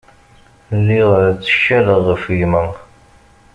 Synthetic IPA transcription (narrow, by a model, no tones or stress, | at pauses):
liʁɾt͡sːə̥ʃːæləʁəfjmə